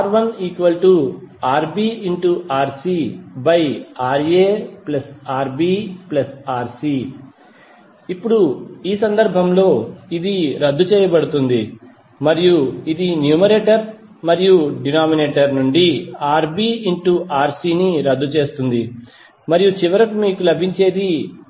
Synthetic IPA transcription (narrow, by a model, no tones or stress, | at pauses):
ɾʋɐniːkʋɐlʈuaːɾbiːiɳʈuʔaːɾsibɐjaːɾeːplɐsaːɾbiːplɐsaːɾsi | ipːuɽuiːsɐnd̪ɐɾbʱɐmlo̞ːid̪iɾɐd̪ːut͡ʃɛːjɐbɐɽut̪und̪i | mɐɾijuid̪injuːmɐɾeːʈɐɾ | mɐɾijuɖinaːmineːʈɐɾnuɳɖiaːɾbiːiɳʈuʔaːɾsiːniɾɐd̪ːut͡ʃe̞ːst̪und̪i | mɐɾijut͡ʃiʋɐɾɐkumiːkulɐbʱiɲt͡ʃe̞ːd̪i